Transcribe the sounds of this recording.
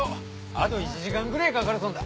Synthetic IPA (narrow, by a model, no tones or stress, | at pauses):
a̰t̪o̞it͡ɕiʑikãŋɡɯ̟ɾaikakaɾɯsõnd̪a